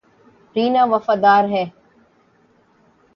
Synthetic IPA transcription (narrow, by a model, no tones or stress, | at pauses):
ɾiːnaːʋəfaːd̪aːɾɦɛː